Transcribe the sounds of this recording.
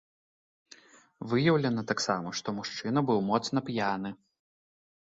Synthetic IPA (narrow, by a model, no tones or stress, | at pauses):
vɨjɐwlʲɐnɐt̪aksamɐʂt̪ɔmuʂt͡ʂɨnɐbɨwmɔt̪snɐpjanɨ